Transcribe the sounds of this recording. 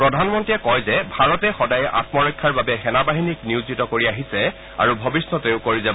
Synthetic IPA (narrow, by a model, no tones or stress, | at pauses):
pɹɔdʱanmɔntiɛkɔjzɛbʱaɹɔtɛxɔdajɛʔa̰tmɔɹɔjkʰːaɹbabɛxɛnabaɦinikniʊzitɔkoɹiaɦisɛ | a̰ɹubʱɔbisnɔteʊkoɹizɛ